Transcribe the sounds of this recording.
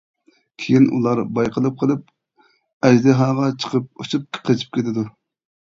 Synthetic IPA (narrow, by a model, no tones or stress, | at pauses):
kʲʰejinṵlˠɑɾbɑjqəlˠɨp̚qʰəlˠɨp̚ | ɛd͡ʒd̪ɪɦɑːʁɑt͡ʃʰə̥qʰəp̚oʃɨp̚qʰət͡ʃʰi̥p̚kʲʰet̪ʰɪd̪u